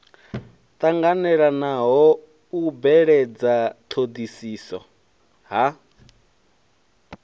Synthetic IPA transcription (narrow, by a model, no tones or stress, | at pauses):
t̪ʼaŋɡanɛɺanaɦɔ | ubɛɺed͡zat̪ʰod̪isiːsɔ̰ | ɦa